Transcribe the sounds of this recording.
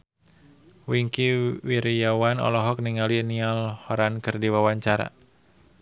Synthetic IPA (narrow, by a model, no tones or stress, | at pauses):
wiŋkiwiɾjawanɔ̰lɔɦɔk̚niŋalinialhɔɾankɨrdiwawaɲt͡ʃaɾa̰